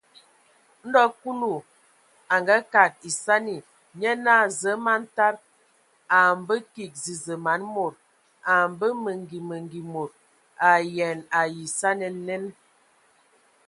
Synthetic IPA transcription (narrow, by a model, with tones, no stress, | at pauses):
n̩˦dɔ˦ku˦lu˨ | a˨ŋɡa˦ka˨k̚i˨sa˦ni˨ | ɲɛ˦na˦˨zə˨˦ma˦n˦ta˦ɾ | a˨m˨˦bə˦ki˨k̚zi˨zə˨ma˨˦nmo˨ɾ | a˨m˨bə˦mə˨ŋɡi˨mə˨ŋɡi˨mo˨ɾ | a˨jɛ˨na˨ji˨sa˦nə˨˦ne˦n